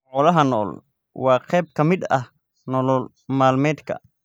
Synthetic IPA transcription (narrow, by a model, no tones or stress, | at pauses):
ʔɔːlɐɦɐnɔ̰ːl | wɑːqʰɛjb̚kʰɐmɪd̪ɐ̰h | nɔlɔl | maːlmɛːd̪kʰɐ̰